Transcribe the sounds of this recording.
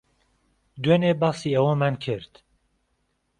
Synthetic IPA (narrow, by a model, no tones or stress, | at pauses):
d̪wenebɑsiːɛwomænkʰɨɾt̪